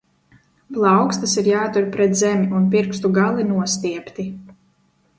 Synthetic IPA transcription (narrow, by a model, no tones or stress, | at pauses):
plˠɑwkst̪asiɾjaːt̪uɾpɾɛt̪zɛmʲiunpiɾkst̪uɡalˠinuɔst̪iɛpt̪i